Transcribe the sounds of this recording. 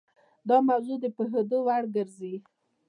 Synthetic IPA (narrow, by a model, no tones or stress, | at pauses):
d̪ɑmawzud̪əpəɦəd̪owaɽɡəɾzi